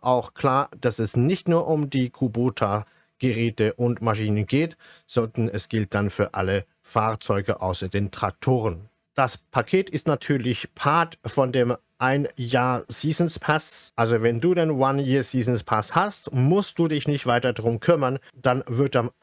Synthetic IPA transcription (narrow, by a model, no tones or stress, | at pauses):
ʔaʊxkʰl̥aːɐd̥asɛsnɪçtnuːɐʔʊmdiːkʰuboːtʰa | ɡ̥əʁɛːtəʔʊntmaʃiːnənɡeːtz̥ɔndɐnɛsɡ̥ɪlt̚d̥anfyːɐʔa̰lə | faːɐt͡sɔʏɡəʔa̰ʊsɐdeːntʁ̥ak̚tʰoːʁən | d̥aspʰakʰeːtɪstnatʰyːɐlɪçpʰaɐtfɔndeːm | ʔaɪnjaːɐsiːzn̩spʰasʔalzovɛnduːdɛnvanjiːɐsiːzn̩spʰashastmʊst̚d̥uːdɪçnɪçtv̥aɪtɐdʁʊmkʰʏmɐn | d̥anvɪɐtam